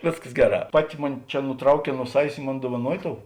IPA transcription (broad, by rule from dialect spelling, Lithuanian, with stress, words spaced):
ˈʋʲeːsˌkɐs ˈɡʲæːˌrɑː ˈpɑːˌtʲɪ ˈmʊnʲɪ ˈt͡ʃʲɛ nʊˈtrɐʊˌkʲɛː nuɔ ˈsɑːʋʲeːs ɪ ˈmoːn duɔʋɐˈnuɔjɪ ˈtoːʊ